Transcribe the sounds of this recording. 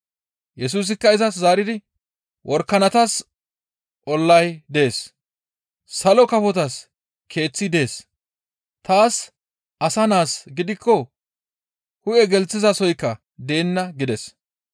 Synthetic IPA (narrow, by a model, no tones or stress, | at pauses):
jɛsuːs̬ɪkːɐɪzɐszaːɾɪd̪ɪ | wʔɔɾkːɐnɐt̪ɐs | ʔɔlːɐjd̪e̞ːs | sɐlɔkɐfɔt̪ɐs | kʰe̞ːt͡sːɪd̪e̞ːs | t̪aːs | ʔɐsɐnaːsɡɪd̪ɪkʰːɔ | hʊʔɛɡɛlt͡sːɪzɐsɔjkːɐ | d̪e̞ːnːɐɡɪd̪ɛs